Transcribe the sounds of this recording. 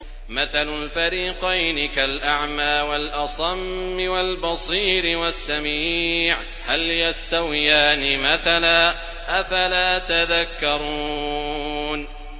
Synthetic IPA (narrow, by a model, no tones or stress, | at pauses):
maθalʊlfaɾiːqɑjnɪkalʔaʕmaːwalʔɑsˤɑmːɪwalbɑsˤiːɾɪwasːamiːʕ | haljast̪awɪjaːnɪmaθalaː | ʔafalaːt̪aðakːɑɾˤuː | n